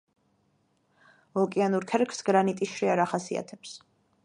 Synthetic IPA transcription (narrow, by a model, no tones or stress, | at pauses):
ɔkʼianuɾkʰɛɾkʰsɡɾanit̪ʼiʃɾiaɾaχasia̰t̪ʰɛps